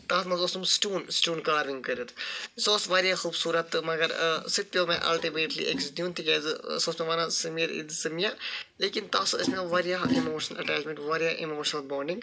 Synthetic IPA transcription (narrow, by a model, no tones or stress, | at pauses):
t̪aːsmɐzosumsʈuːnsʈuːnkaːɾʋiŋɡkəɾut̪ʰsoːsʋaːɾijaxuːbsuːɾɐt̪mɐɡɐɾsit̪̚ːʲoːmẽʔɐ̰lʈimeːʈlḭʔeksd̪ijũnt̪ʰiɡɛːzɨsoːsmeʋaːnasɐmɐɾḭd̪sɐmijaleːkint̪aːsɐsnãʋaːɾijaːimoːʃənɐlɐ̰ʈaːd͡ʒmẽɳʈʋaːɾjaʔimoːʃnɐlboːɳɖĩŋɡ